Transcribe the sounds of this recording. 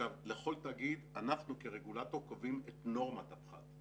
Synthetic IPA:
avleχo̞ltaːɡid̪anaχnukeʁeɡulato̞ʁkovimet̪no̞ʁmat̪apχa̰d

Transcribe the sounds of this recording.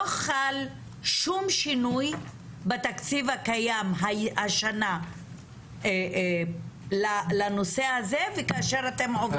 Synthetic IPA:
oχal | ʃumʃinuj | bet̪akt͡sivhakajamɦahaʃana | e | lalano̞sehaze̞vekaaʃe̞ʁat̪e̞mʕovd

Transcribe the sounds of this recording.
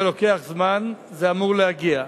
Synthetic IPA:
elo̞ke̞aχzman | zeamuʁlehaɡia

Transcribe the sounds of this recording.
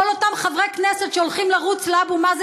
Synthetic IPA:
olotamχavʁejknesetʃeolχimlaʁut͡slabumaz

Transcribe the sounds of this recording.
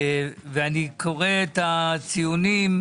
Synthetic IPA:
veanikʰo̞ʁeːt̪at͡sijunim

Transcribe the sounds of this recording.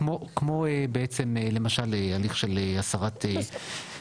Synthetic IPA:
mokmoebeet͡semele̞maʃalealiχʃe̞leasaʁat̪ʰe

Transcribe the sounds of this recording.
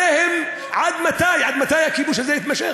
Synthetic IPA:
eːhɪm | ʕad̪mat̪aːjʕad̪mat̪aːjakiːbuːʃ̬ezejɪt̪maʃḛ

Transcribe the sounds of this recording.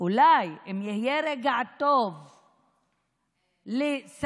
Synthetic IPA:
ulajimjihijeɾeɡaʕt̪ov | les

